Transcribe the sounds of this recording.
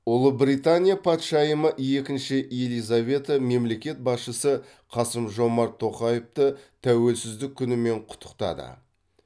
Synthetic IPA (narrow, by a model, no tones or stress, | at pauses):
ʊlˠəbɾijt̪anʲijapʰɑt̪ʃɑjəməʔje̞kʲɪnʃɪʔelijzavʲe̞t̪əme̞mle̞kʲe̞t̪̚bɑsʃəsə | qʰɑsəmʒo̞mɑɾt̪ʰːo̞qɑjeft̪ət̪ʰæwe̞lsɪzd̪ɪkʲʰːʏnɪme̞ɴqʰʊ̥t̪ʰːə̥qt̪ɑ̰d̪ə̰